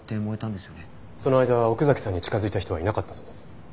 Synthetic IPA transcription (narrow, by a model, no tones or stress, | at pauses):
t̪ːeːmoet̪ãnd̪esɨjone | so̞no̞ajd̪aβao̞kɯ̟zakʲi̥sãɲ̟ːit͡ɕi̥kazɨit̪açi̥t̪oainakat̪ːḁsoːd̪e̞sɨ̥